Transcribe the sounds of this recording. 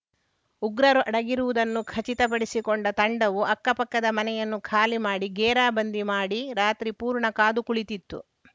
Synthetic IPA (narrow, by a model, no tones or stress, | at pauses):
uɡɾɐɾuʔɐɽɐɡiɾuʋud̪ɐnːukʰɐt͡ʃit̪ɐp̬ɐɽisikoɳɖɐt̪ɐɳɖɐʋuɐkːɐpɐkːɐd̪ɐmɐnɛjɐnːukʰaːlimaːɽiɡeːɾaːbɐnd̪imaːɽiɾaːt̪ɾipuːɾɳɐkaːd̪ukuɭit̪it̪ːṵ